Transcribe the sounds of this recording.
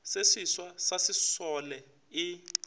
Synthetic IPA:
sesiswasasisɔlɛ | i

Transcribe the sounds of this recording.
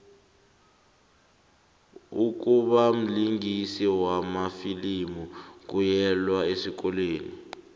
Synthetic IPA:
uk̬uɓam̩liŋʱisiwamafilimuk̬ujɛlwaesik̬ɔleːni

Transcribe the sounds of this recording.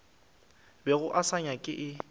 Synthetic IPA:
bɛɣʊʔasaɲakʼɪʔɪ

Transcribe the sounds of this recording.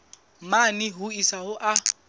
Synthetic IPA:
maniɦʊisaɦʊʔa

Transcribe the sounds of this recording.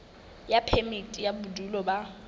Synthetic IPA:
japʰɛmitʼijabʊdulɔba

